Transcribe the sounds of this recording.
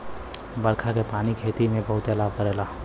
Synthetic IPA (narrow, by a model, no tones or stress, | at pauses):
bəɾkʰakepaːnikʰeːt̪imẽbəɦʊt̪ɛlaːb̚kəɾeːla